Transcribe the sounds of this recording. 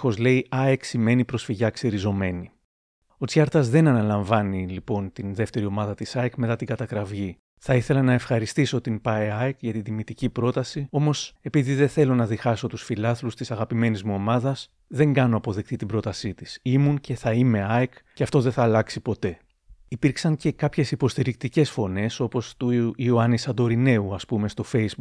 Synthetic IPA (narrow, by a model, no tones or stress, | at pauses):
o̞zle̞iɐeksime̞nipɾo̞sfiʝɐkseɾizo̞me̞ni | o̞t͡sçɐɾt̪ɐzðe̞nɐnɐlɐɱvɐnilipo̞nt̪inðe̞ft̪e̞ɾio̞mɐðɐt̪isɐekme̞t̪ɐt̪iŋɡɐt̪ɐkɾɐvʝi | θɐiθe̞lɐnɐe̞fxɐɾist̪iso̞t̪impɐeɐekʝɐt̪ind̪imit̪icipɾo̞t̪ɐsio̞mose̞piðiðeθe̞lo̞nɐðixɐso̞t̪usfilɐθlust̪isɐɣɐpime̞nizmuo̞mɐðɐs | ðe̞ŋɡɐno̞ɐpo̞ðekt̪it̪ibɾo̞t̪ɐsit̪isimunce̞θɐime̞ɐjkceɐft̪o̞ðeθɐːlɐksipo̞t̪e̞ | ipiɾksɐŋce̞kɐpçe̞sipo̞st̪iɾik̚t̪ice̞sfo̞ne̞so̞po̞st̪uioɐnisɐd̪o̞ɾine̞uɐspume̞st̪o̞fe̞jzbu